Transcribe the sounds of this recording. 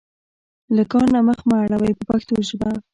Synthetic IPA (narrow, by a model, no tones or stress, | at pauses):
ləkɑɾnaməxmaaɽawajpəpakt̪oʒba